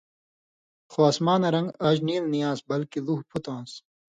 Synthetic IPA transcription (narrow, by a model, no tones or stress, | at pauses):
xoɐːsmaːnɐɾɐŋɡaːʑniːlnijãːsbɐlkiluhpʰut̪ãːns